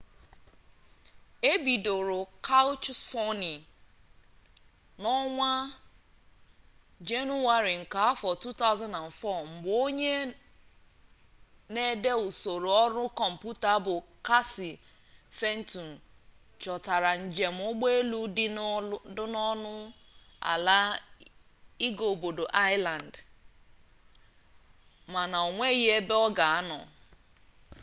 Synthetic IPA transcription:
e˦bi˨do˨ɾʊ˨kʰa˦lt͡ʃsfɔ˦ni˨ | nɔ˦ŋʷa˦ | d͡ʒe˦nu˦wa˦ɾi˨ŋ̩˨ka˨a˦fɔ˨tu˦ta˦ʊ˦zã˦na˨n̩˨fɔ˦˨m̩˨ɡ͡bo˦ɲe˦ | ne˦de˦u˨so˨ɾo˨ɔ˦ɾʊ˦kɔ˨m̩˨pu˦ta˨˦bʊ˨ka˦si˨ | fe˦n̩˦tu˨n̩˨ | t͡ʃɔ˨ta˨ɾa˨n̩˨d͡ʒe˨m̩˦ʊ˦ɡ͡be˦lu˦dɪ˦dʊ˦nɔ˦nʊ˦ | a̰˨la˦ | i˦ɡo˨o˨bo˨do˨ʔa˦ɪ˦la˨n˨d | ma˨na˨o˨ŋʷe˦je˦e˦be˦ɔ˦ɡa˨a˦nɔ̰˨

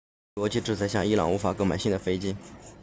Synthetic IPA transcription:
wɔ˧˥t͡ɕi˥˧ʈ͡ʂɻ̩˥˩t͡sa˧˥ɪɕjɑ˥˩ŋi˥lɑ̰˨˩˦ŋu˧˥fa˨˩kɤ˧˥ma˨˩ɪɕi˥˩ŋd̪ə˩fe˥ɪt͡ɕi˥ŋ

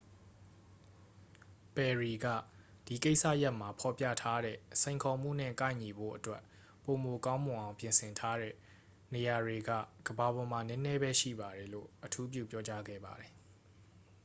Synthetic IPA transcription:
pɛ˨ɹi˨ɡä̰˦˨ | d̥i˨ke˦ɪʔsä̰˦˨ja˦ʔma˨pʰɔ˨pjä̰˦˨tʰa˦ɾɛ̰˦˨sʰẽ˨ɪ̃ŋkʰɔ˨m̥ṵ˦˨n̥ɪ̰̃˦˨kã˦˨ɪ̃ɲi˨bo̰˦˨ʔətwɛ˦ʔ | po˨mo˨kã˦ʊ̃mʊ̃˨ʔã˨ʊ̃mpjɪ̃˨nsʰɪ̃˨ntʰa˦ɾɛ̰˦˨ | ne˨ja˨ɹe˨ɡä̰˦˨ɡ̥əba˨bɔ˨ma˨nɛ̃˦nɛ˦bɛ˦ʃḭ˦˨ba˨ɾɛ˨lo̰˦˨ʔətʰu˦p̬jṵ˦˨pjɔ˦t͡ɕa˦ɡɛ̰˦˨ba˨dɛ˨

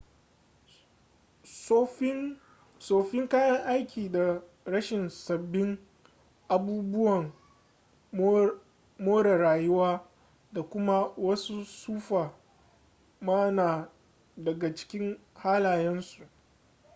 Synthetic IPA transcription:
soː˨ɸɪ˦ŋkaː˦jɐ˦ŋʔa˦jkʲʰiː˨da˨ | ɽɐ˦ʃɪ˨nsɐ˨bːɪ˦ŋ | ʔa˨buː˦bʊ˦wɐ˨ŋ | moː˦ɽa˨ɽaː˨jʊ˦waː˦ | da˨kʷʊ˦ma˦wɐ˦su˦suː˦ɸaː˨ | maː˦naː˨ | dɐ˨ɡa˨t͡ʃɪ̥˦kʲɪ˦ŋhaː˦laː˨jɛ˦nsu˨ʔ

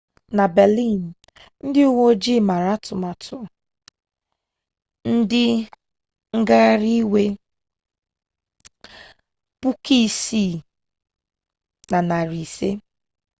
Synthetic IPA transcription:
na˨bɛ˨li˦˨n̩˨ | n̩˦dɪ˦u˦ŋo˦d͡ʒi˦˨ma˨ɾa˦tʊ˨ma˨tʰʊ˨ | n̩˦dɪ˦ | ŋ̩˦ɡa˦a˦ɾi˦we˦ | pu˦kʰi˦˨si˦˨ | na˨na˨ɾi˨se˦

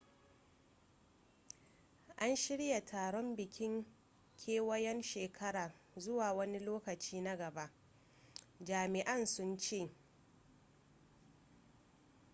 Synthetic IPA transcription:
ʔa˦nʃɪ˦ɽja˨tʰaː˨ɽɔ˦mbɪ˨kʲɪ˦ŋ | kʲʰeː˦wɐ˦jɛ˦nʃeː˨kʰɐ˦ɽaː˨ | zʊ˦waː˨wɐ˦ni˦loː˦kɐ˨t͡ʃiː˦na˦ɡɐ˨ba˦ʔ | d͡ʒaː˨mɪ˨ʔɐ˦nsʊ˦nt͡ʃeː˦˨

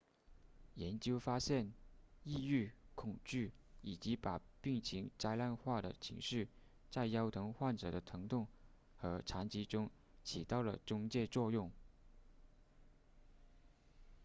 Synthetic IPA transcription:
jɛ˧˥nt͡ɕjo˥ʊfa˥ɕjɛ˥˩ni˥˧y˥˩kʰʊ˨˩ŋt͡ɕy˥˩i˨˩t͡ɕi˧˥pa˨˩pi˥˩ŋt͡ɕʰi˧˥ŋt͡sa˥ɪla˥˧nxwa˥˩d̪ə˩t͡ɕʰḭ˧˥ŋʂɻ̩˥˩ | t͡sa˥˩ɪjɑ˥ʊt̪ʰɤ˧˥ŋxwa˥˩nʈ͡ʂɤ̰˨˩d̪ə˦t̪ʰɤ˧˥ŋt̪ʊ˥˩ŋ | xɤ˧˥ʈ͡ʂʰa˧˥nt͡ɕi˧˥ʈ͡ʂʊ˥ŋ | t͡ɕʰi˨˩t̪ɑ˥˩ʊlə̰˩ʈ͡ʂʊ˥ŋt͡ɕjɛ˥˧t͡swɔ˥˧jʊ˥˩ŋ

